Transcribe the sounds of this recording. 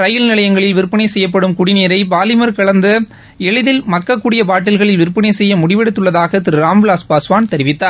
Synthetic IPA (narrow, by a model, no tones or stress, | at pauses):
ɾɐjɪlnɪlɐjɐŋɡɐɭɪlʋɪɾpːɪnɐɪsɛjːɐp̬ːɐɽɯmkʊɽɪneːɾɐɪbaːlɪmɐɾkɐɭɐnd̪ɯ | ɛɻɯðɪlmɐkːɐkːuːɽɪjɐpaːʈ̬ːɪlɣɐɭɪlʋɪɾpːɪnɐɪsɛjːɐmʊɽɪʋɛɽɯt̪ːɯɭːɐðaːɣɐt̪ɪɾɯɾaːmʋlaːspaːsʋaːnt̪ɛɾɪʋɪt̪ːaːɾ